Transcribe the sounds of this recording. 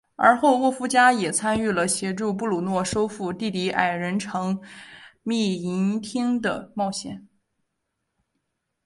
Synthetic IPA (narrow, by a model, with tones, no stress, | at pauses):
ə̰˞˧˥xo˥˧ʊwɔ˥˩fu˥t͡ɕja˥jɛ˨˩t͡sʰa˥ny˥˩lə˩ɕjɛ˧˥ʈ͡ʂu˥˧p̬u˥˩lu˨˩nwɔ˥˩ʂo˥ʊfu˥˧t̪i˥˩t̪i˧˥ʔa̰˨˩ɪɻə˧˥nʈ͡ʂʰɤ˧˥ŋ | mi˥˩i˧˥nt̪ʰi˥ŋd̪ə̰˨mɑ˥˩ʊɕjɛ̰˥˩˦n